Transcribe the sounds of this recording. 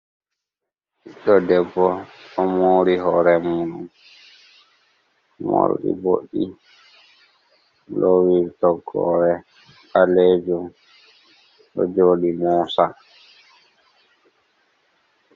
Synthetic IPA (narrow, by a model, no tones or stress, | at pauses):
ʔiɗɔdɛbːɔɔmoɾiɦɔːɾɛmuɗum | mo̰ɾɗḭbo̰ɗi | lowiɾtɔɡɔ̰ɾɛ | aled͡ʒum | ɗɔ̰d͡ʒoːɗimɔːsa